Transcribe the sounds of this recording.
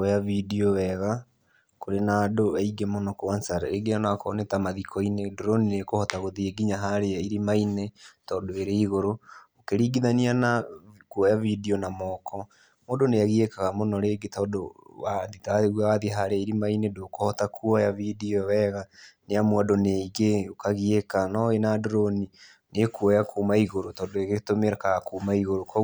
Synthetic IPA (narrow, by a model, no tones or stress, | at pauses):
kɔjavidiɔwɛɣa | koɾenadoaiɡemonɔkwansaɾa̰eɡejanakɔ̰ːnetamaðikʰɔinedoɾoninekohɔtaɣoðieɡiɲaɦaɾeaiɾimainetɔːdoeɾeiɣoɾookeɾiːɡiðanianakwɔjavidiɔnamɔːkʰɔ | modonejaɣiekaɣamonɔɾeɡetɔːdowaðitaɣwawaðiɦaɾeaiɾimainedokohɔtakuɔjavidiɔwɛɣaneamwɔdoneiɣeokaɣiekanɔwenadoɾoni | nekuɔjakuːmaiɣoɾotɔːndoeɣetomeɾakaɣakuːmaiɣoɾokɔ